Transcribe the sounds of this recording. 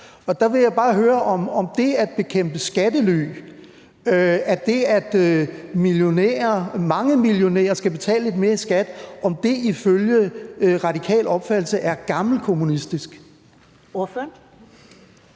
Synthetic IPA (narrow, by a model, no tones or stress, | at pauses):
ɒ̽d̥ɑ̈ʋe̝jɑɪb̥ɑ̈ːɦøːɐʔɒ̽mɒ̽md̥e̝æd̥̚b̥e̝kʰem̰b̥əsɡ̥æd̥əly̰ | æd̥e̝æd̥miljo̝nḛːɐmɑ̈ŋəmiljo̝nḛːɐsɡ̥æb̥e̝t͡sʰɛ̰ːləle̝d̥me̝ːɐisɡ̥æd̥ɒ̽md̥e̝iføljəʁɑ̈d̥ikʰɛ̰ːlɒ̽b̥fæd̥l̩səʔæɐɡ̥ɑ̈ml̩kʰo̝munisd̥isɡ̥ | oføɐn